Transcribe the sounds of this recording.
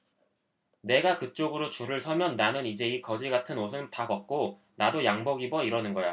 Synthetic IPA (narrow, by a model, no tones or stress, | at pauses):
ne̞ɡakɯt͡ɕ͈oɡɯɾot͡ɕuɾɯɭsʰʌmjʌnːanɯnid͡ʑe̞ikʌd͡ʑiɡatʰɯnosʰɯntabʌk̚k͈o | nadojaŋbʌɡibʌiɾʌnɯnɡʌja